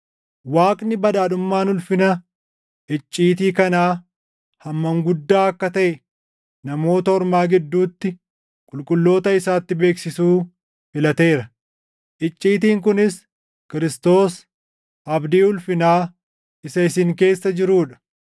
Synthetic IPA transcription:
waːkʼnɪbɐd̪aːᶑʊmːaːnʊlfɪnɐ | ʔɪt͡ʃʼːiːt̪̬iːkɐnaː | hɐmːɐŋɡʊd̪ːaːɐkːɐt̪ɐʔɛ | nɐmo̞ːt̪ɐhɔɾmaːɡɛd̪ːuːt̪ːɪ | kʼʊlkʼʊlːo̞ːt̪ɐɪsaːt̪ːɪbe̞ːksɪsuː | fɪlɐt̪e̞ːɾɐ | ʔɪt͡ʃʼːiːt̪̬iːŋk̬ʊnɪs | kɪɾɪst̪o̞ːs | ʔɐbd̪iːʊlfɪnaː | ɪsɐɪsɪŋke̞ːsːɐd͡ʒɪɾuːᶑɐ̥

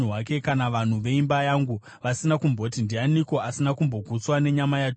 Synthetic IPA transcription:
wake̞kanaʋan̤uʋe̞imbajaŋɡu | ʋasinakumbo̞ːtindianiko̞asinakumbo̞ɡʱut͡swane̞ɲamajat͡ʃ

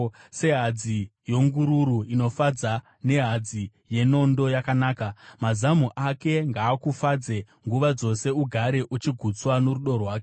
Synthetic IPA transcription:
se̞ɦad͡zijo̞ŋɡuɾuɾuino̞fad͡za | ne̞ɦad͡zi | je̞no̞ndo̞jakanaːkamazamuʔake̞ŋɡaːkufad͡ze | ŋɡuʋad͡zo̞se̞uɡʱaɾe̞ʔut͡ʃiɡʱut͡swanoɾuɗo̞rwaːke

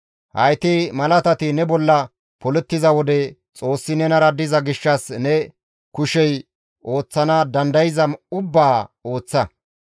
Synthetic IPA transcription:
hɐ̰jt̪ɛmɐlɐt̪ɐt̪ɪnɛbɔlːɐ | pɔlɛt̪ːɪzɐwɔd̪ɛ | t͡sʼo̞ːsːɪnɛnɐɾɐd̪ɪzɐɡɪʃːɐsnɛ | kʊʃɛj | ʔo̞ːt͡sːɐnɐd̪ɐnd̪ɐjɪzɐmʊbːaːoːt͡sːɐ

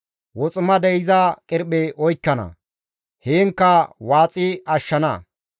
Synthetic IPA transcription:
wɔt͡sʼʊmɐd̪ɛjɪzɐkʼɪɾɓeʔɔjkːɐnɐ̰ | heːŋkːɐwaːt͡sʼɪɐʃːɐnɐ̰

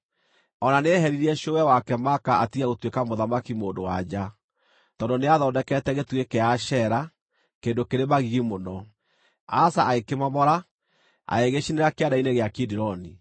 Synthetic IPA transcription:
ɔnaneɦɛɾiɾiɛʃoɛwakɛmakaatiɣaɣotwekamoðamakimoːndowa̰d͡ʑa | tɔːndoneaðɔːdɛkɛtɛɣetuekeaʃɛɾa | keːndokeɾemaɣiɣimonɔ | asaaekemamɔɾa | a̰eɣeɕineɾakeadaineɣeakidiɾɔni

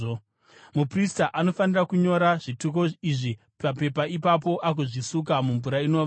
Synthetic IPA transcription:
mupristaʔano̞fanirakuɲo̞ɾaʐituk̬o̞iʐi | pape̞paipap̬o̞ʔak̬uʐisuk̬amuɱvuɾaino̞ʋa

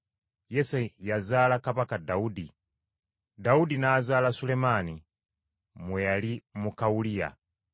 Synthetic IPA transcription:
jesejazaːlakapakadaudi | daudinaːzaːlasulemani | mwejalimukaulija̰

